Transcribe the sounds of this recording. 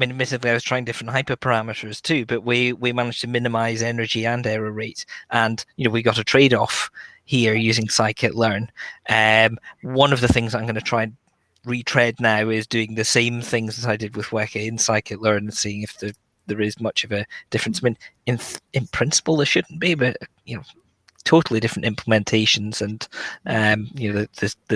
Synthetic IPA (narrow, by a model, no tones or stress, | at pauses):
amĩnmɪsɨ̃dˡlˠiaɪwʌz̥tʰɹ̥aɪɪ̃ŋdɪfɹə̃nʔhaɪpə˞pʰə˞amɨʔə˞z̥tʰʉbʌʔwiwimanɪd͡ʒ̥tʰəmɪ̃nɨmaɪzɛnə˞d͡ʒiə̃nɛɹəɹeʔʔə̃njɨnoʊwiɡɔʔətʰɹ̥eɾɔf | hiɹjʉzɪ̃ŋsaɪkʰɨʔlˠɜ̃˞nʔʌmwʌ̃nʌvðəθɪ̃ŋzaɪ̃mɡʌnətʰɹ̥aɪ̃n | ɹitʰɹ̥ɛdⁿnaʊɪzdʉɪ̃ŋðɨsẽmθɪ̃ŋzəzaɪdɨd̚wɪðwɜ˞kɪ̃ɪ̃nsaɪkʰɨʔlˠɜ̃˞nə̃nsiɪ̃ŋɪfðə | ðə˞ɪzmʌt͡ʃʌvɨd̥ɪfɹə̃nsaɪmĩnɪ̃nɪ̃npʰɹ̥ɪ̃nsə̥pəl̩ˠðə˞ʃʉdⁿn̩b̥ibʌʔjɨno | tʰoʔl̩ˠidɪfɹə̃n̩tɪ̃mpʰlˠəmɛ̃ntʰeʃə̃nz̥ə̃nʔʌ̃mjɨnoðəðəzðə